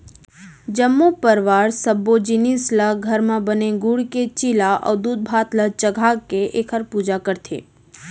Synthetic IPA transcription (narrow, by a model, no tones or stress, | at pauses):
d͡ʒəmːupəɾʋaɾsəbːod͡ʒinisləɡʱəɾmãbəneɡuɽket͡ʃilaʔə̰d̪ud̪̚bʱat̪lət͡ʃəɡʱakeʔekʰəɾpud͡ʒakəɾt̪ʰḛ